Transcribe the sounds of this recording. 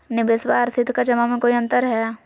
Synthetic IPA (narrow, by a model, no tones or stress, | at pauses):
nɪbɪsbaːɾsɪd̪ʱkad͡ʒɐmamẽkoːiɐ̃nt̪əɾɦɛː